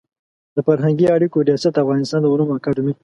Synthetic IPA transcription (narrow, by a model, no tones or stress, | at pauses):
d̪̥əfaɾɦaŋɡiaɽikoɾijɑsat̪̚afɣɑnɪst̪ɑnd̪əumumakɑɖmi